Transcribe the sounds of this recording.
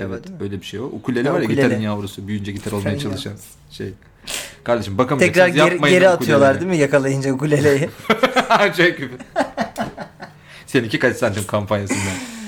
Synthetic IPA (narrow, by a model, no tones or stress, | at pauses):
ɛvɛt̪øjlʲebiʃejoukʰulʲelʲɛvaɾjaɡit̪ʲaɾynjaːuɾusubyjynd͡ʒɛɟit̪ʰæɾo̞lˠajaat͡ʃʰallˠɯʃan | ʃḛj | kʰaɾd̪eʃɯmbakʰamʰɛcɾaɾjamajɟe̞ɾiat̪ʰɯjo̞lˠaɾd̪imijakʰalˠajɯnd͡ʒakulʲelʲejɪand͡ʒakyfi | seinicʰʲikalʲisant̪ʰimkʰampʰanjasɯnja